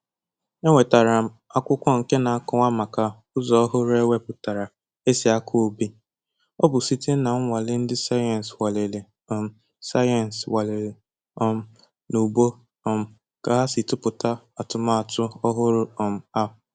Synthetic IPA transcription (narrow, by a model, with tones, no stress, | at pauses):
e˦ŋʷe˨ta˨ɾa˨ | a˦kʷʊ˦kʷɔ˦ŋ̩˨ke˦na˨a˦kʊ˦ŋʷa˦ma˨ka˨ | ʊ˦zɔ˨˦ɦʊ˦ɾe˦we˦pʊ˨ta˨ɾa˨ | e˦si˨a˦kʰʊ˦o˦bi˦ | ɔ˦bʊ˨si˦te˦na˨ŋ̩˦ŋʷa˨lɪ˦n̩˦dɪ˦sa˦jn̩˨swa˨le˨le˨ | ɔ˨m̩˦˨ | sa˦jɛ˨n̩˨swa˨le˨le˨ | ɔ˦m̩˦ | nu˨bo˦ | ɔ˨m̩˨ | ka˨ɦa˦si˨tʊ˦pʊ˨ta˦ | a˨tʊ˨ma˦a˨tʊ˦ɔ˦ɦʊ˦ɾʊ˦ɔ˨m̩˨a˦